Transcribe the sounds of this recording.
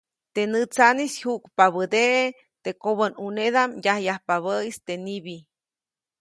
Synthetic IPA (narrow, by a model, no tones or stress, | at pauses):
t̪enɨt͡sanishukpaβəd̪eʔe | t̪ekoβənuneðamjahjahpaβəist̪eniβi